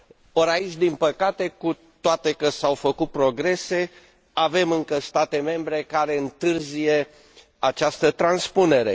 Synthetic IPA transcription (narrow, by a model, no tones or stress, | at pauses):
oɾait͡ʃʲd̪impəkat̪e̞ku | t̪oat̪e̞kəsawfəkut̪̚pɾo̞ɡɾe̞se̞ | ave̞mɨŋkəst̪at̪e̞me̞mbɾe̞kaɾe̞ɨnt̪ɨrzije̞ | at͡ʃast̪ət̪ɾanspune̞ɾe̞̰